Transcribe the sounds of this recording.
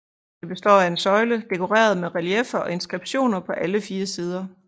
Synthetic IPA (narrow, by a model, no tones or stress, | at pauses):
d̥eb̥e̝sd̥ɒ̰ːæe̝nsɒ̽ɪləd̥e̝kʰo̝ʁḛːɐð̞ˠmeðˠʁæliefɐɒ̽e̝nsɡ̥ʁib̥ɕo̝̰ːnɐpʰɒ̽ʔæləfiːɐsiːð̞ˠɐ